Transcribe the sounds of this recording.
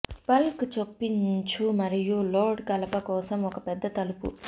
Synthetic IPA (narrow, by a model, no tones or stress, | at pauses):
pɐlkt͡ʃopːiɲt͡ʃumɐɾijuloːɖkɐlɐpɐkɔːsɐmɔkɐpɛd̪ːɐt̪ɐlupṵ